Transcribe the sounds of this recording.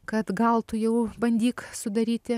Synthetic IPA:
kɐt̪ɡɐlˠt̪ʊjɛʊbɐnʲd̪ʲiːksʊd̪ɐɾʲiːt̪ʲɪ

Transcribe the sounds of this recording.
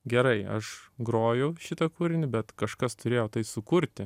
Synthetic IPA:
ɡʲɛɾɐɪɐ̰ʃɡɾoːjɛʊʃʲɪt̪ɐkuːɾʲɪnʲɪbʲɛt̪kɐʃkɐst̪ʊɾʲeːjoːt̪ɐɪsʊkʊɾʲt̪ʲɪ

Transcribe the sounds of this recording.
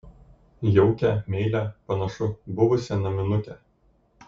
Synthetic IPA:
jɛʊkʲɛˑmʲɛɪlʲæˑpɐnɐʃʊbʊʋʊsʲɛnɐmʲɪnʊt̪ʲɛ

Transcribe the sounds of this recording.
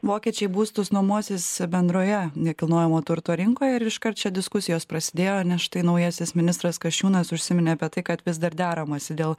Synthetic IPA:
ʋoːkʲiɛt͡ʃʲɛɪbuːst̪ʊsnumuɔsʲɪsbʲɛnd̪ɾoːjɛnʲɛkʲɪlˠnoːjɛmoːt̪ʊɾt̪oːɾʲɪŋkoːjɛɪɾɪʃkɐrt̪̚t͡ʃʲɛd̪ʲɪskʊsʲɪjoːspɾɐsʲɪd̪ʲeːjoːnʲɛsʃt̪ɐɪnɐʊjɛsʲɪsmʲɪnʲɪst̪ɾɐskɐʃʲt͡ʃʲuːnɐsʊʃʲsʲɪmʲɪnʲɪɐpʲiɛt̪ɐɪkɐt̪ʋʲɪsd̪ɐɾd̪ʲæːɾɐmɐːsʲɪd̪ʲeːlˠ

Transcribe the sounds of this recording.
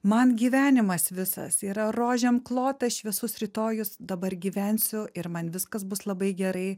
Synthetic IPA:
mɐnɡʲiːʋʲæːnʲɪmɐsʋʲɪsɐ̰siːɾɐroːʒʲɛmklˠoːt̪ɐɪʃʋʲɪɛsʊsɾʲɪt̪oːjʊsd̪ɐbɐɾɡʲiːʋʲɛnʲsʲʊɪɾmɐnʋʲɪskɐsbʊslˠɐbɐɪɡʲɛɾɐɪ

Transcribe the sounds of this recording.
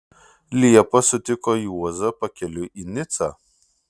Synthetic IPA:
lʲiɛpɐsʊt̪ʲɪkɔːjuɔzɐpɐkʲɛlʲʊʔiːnʲɪt̪saː

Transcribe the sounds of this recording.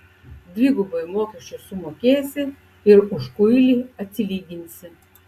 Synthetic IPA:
d̪ʲʋʲiɡʊbɐjmoːkʲɛʃt͡ʃʲʊsʊmoːkʲeːsʲɪ | ɪɾʊʃkʊjlʲiːɐt̪ʲsʲɪlʲiːɡʲɪnʲsʲɪ

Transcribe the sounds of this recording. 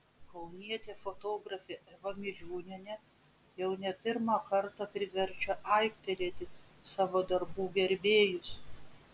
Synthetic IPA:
kɐʊnʲiɛt̪ʲeːfot̪oːɡɾɐfʲeːʔɛʋɐmʲɪlʲuːnʲɪnʲɛ | jɛʊnʲɛpʲɪɾmɑːkɐɾt̪ɑpʲɾʲɪʋʲɛɾʲt͡ʃʲɛʔɐɪkt̪ʲɛɾʲeːt̪ʲɪ | sɑːʋoːd̪ɐɾbuːɡʲɛɾʲbʲeːjʊs

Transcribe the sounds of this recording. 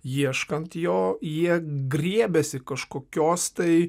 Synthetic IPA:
jiɛʃkɐnt̪joːjiɛɡɾʲiɛbʲɛsʲɪkɐʃkoːkʲoːst̪ɐɪ

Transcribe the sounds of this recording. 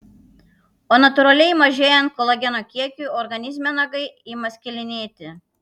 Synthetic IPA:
oːnɐt̪ʊɾɐlʲɛɪmɐʒʲeːjɛnt̪̚kolˠɐɡʲɛnoːkʲiɛkʲuːˑɔɾɡɐnʲɪzʲmʲɛnɐɡɐɪiːmɐsʲkʲɪlʲɪnʲeːt̪ʲɪ

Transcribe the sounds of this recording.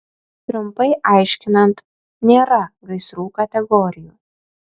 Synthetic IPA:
t̪ɾʊmpɐɪʔɐˑɪʃʲkʲɪnɐnt̪ | nʲeːɾɐɡɐɪsɾuːkɐt̪ʲɛɡɔɾʲɪjuː

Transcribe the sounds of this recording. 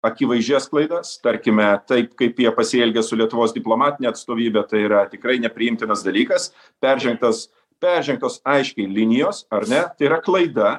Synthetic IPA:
ɐkʲiʋɐɪʒʲɛsklˠɐɪd̪ɐst̪ɐɾʲkʲɪmʲɛt̪ɐɪpkɐɪpjiɛpɐsʲɪɛlʲɡʲɛsʊlʲiɛt̪ʊʋoːsd̪ʲɪplˠoːmɑːt̪ʲɪnʲeːɐt̪st̪oːʋʲiːbʲɛt̪ɐɪiɾɐt̪ʲɪkɾɐɪnʲɛpʲɾʲɪɪmʲt̪ʲɪnɐsd̪ɐlʲiːkɐs | pʲɛɾʲʒʲɛŋk̚t̪ɐs | pʲɛɾʲʒʲɛŋk̚t̪oːsɐɪʃʲkʲɛɪlʲɪnʲɪjoːsɐɾnʲɛt̪ɐɪiːɾɐklˠɐɪd̪ɐ

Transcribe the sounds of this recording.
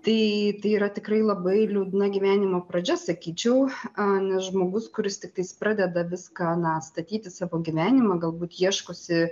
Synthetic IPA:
t̪ɐɪt̪ɐɪiːɾɐt̪ʲɪkrɐɪlˠɐbɐɪlʲuʊd̪nɐɡʲiʋʲæːnʲɪmoːpɾɐd͡ʒʲɛsɐkʲiːt͡ʃʲɛʊɐnʲɛsʒmoːɡʊskʊɾʲɪst̪ʲɪk̚t̪ɐɪspɾɑːd̪ʲɛd̪ɐʋʲɪskɑːnɐst̪ɐt̪ʲiːt̪ʲɪsɑːʋoːɡʲiʋʲæːnʲɪmɐɡɐlˠbuːt̪jiɛʃkoːsʲɪ

